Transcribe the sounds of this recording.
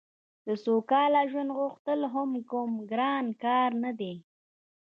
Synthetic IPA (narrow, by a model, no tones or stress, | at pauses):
d̪̥əsokɑlaʒwand̪ɣʊxt̪əlɦʊmkʊmɡɾɑnkɑɾnad̪e